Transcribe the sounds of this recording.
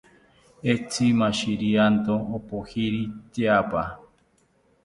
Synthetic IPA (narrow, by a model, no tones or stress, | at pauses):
et͡simãʃiɾiant̪õopohiɾit̪eapa